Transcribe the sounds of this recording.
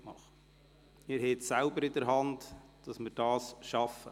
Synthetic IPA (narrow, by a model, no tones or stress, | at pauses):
mɑχ | mɪɾhɛːtsælbəɾɪdəɾɦɑntd̥ɑsmɪɾd̥ɑːsʃɑfə̰